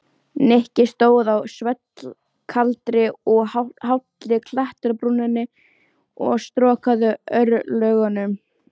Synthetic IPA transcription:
nehcɪst̪oːwðawsvɛt̪l | kʰalt̪ɾɪɔɣhaɦawt̪lɪkʰlaht̪ɾpɾunːɪnːɪ | ɔ̰ɣst̪ɾɔːkaðʏœɾlœɥɣanʏm

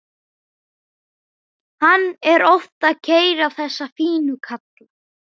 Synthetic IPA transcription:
hanːɛɾɔft̪aðcʰeːjɾawθɛsːafiːnʏkʰat̪l

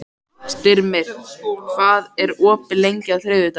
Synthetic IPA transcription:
st̪ɪɾmɪɾ̥kʰvaːðɛɾɔːpɪlejɲcaθɾeːðʏt̪a

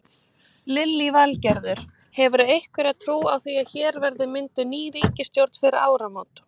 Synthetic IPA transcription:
lɪlːivɛlcɛɾðʏɾ̥ | hɛvʏɾʏejhkvɪɾaðt̪ʰɾuːawθviaðçɛːɾvɛɾðɪmɪnt̪ʏniːɾiːcɪst̪jowɾt̪nfɪɾɪɾa̰ːwɾamawt̪

